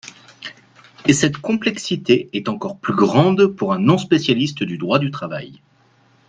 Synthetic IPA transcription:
esɛt̪kɔ̃plɛksit̪eɛt̪ɑ̃kɔʁplyɡʁɑ̃d̪puʁɛ̃nɔ̃spesjalist̪d̪yd̪ʁwad̪yt̪χava̰j

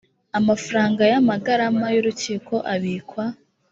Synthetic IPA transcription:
amafɾaːŋɡajamaɡaɾamajuɾuciːko̞ʔaβiːkwa

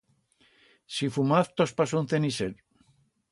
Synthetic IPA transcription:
sifumaθt̪ospas̬unθeniseɾ

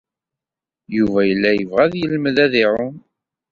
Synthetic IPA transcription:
juvæjəlːæjəvʁæðjəlməðæðɪʕʊn

